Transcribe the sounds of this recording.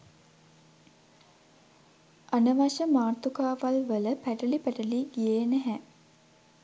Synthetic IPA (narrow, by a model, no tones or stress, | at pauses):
ʔanəʋaʃəmaːrt̪ukaːʋalʋələpæʈəlipæʈəliːɡijeːnæɦæ